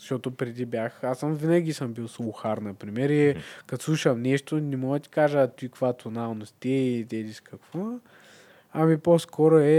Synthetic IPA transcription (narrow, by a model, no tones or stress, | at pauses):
zɐʃɔt̪opɾɛd̪ibʲjaxasəmvinɐɡʲisəmbilˠsˠuxaɾnɐpɾimɛɾikɐt̪slˠuʃɐmnɛʃt̪onɛmɔɡət̪i̥kaʒəːt̪uikvat̪onalˠnost̪ɛd̪ɛliskɐkvo | ɐmiposkʰɔɾoɛ